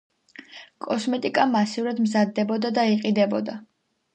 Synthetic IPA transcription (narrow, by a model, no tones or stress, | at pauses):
kʼɔsmɛt̪ʼikʼamasivɾad̪mzad̪ːɛbɔd̪ad̪aiqʼid̪ɛbɔd̪a